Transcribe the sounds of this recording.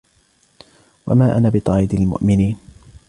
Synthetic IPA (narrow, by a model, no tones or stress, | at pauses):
wa̰maːʔanabɪt̪ˤɑːʔɪd̪almʊ̰ʔmɪniːn